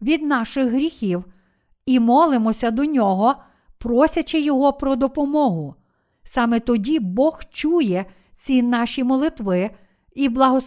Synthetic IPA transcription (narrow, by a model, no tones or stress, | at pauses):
ʋʲid̪nɑʃɪɣɦɾʲixʲiw | imɔlˠɪmɔsʲɐd̪ɔnʲɔɦɔ | pɾɔsʲɐt͡ʃɪjɔɦɔpɾɔd̪ɔpɔmɔɦʊ | sɑmɛt̪ɔdʲibɔxt͡ʃujɛ | t͡sʲinɑʃimɔlˠɪt̪ʋɪ | iblˠɐɦɔs